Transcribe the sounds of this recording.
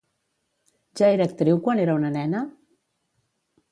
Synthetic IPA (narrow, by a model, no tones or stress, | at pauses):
ʒaeɾəːk̚t̪ɾiwkwaneɾəunənɛnə